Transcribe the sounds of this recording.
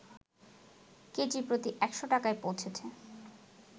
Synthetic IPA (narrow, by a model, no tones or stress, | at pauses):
ked͡ʑipɾot̪iʔɛkʃoʈakaepowt͡ɕʰet͡ɕʰe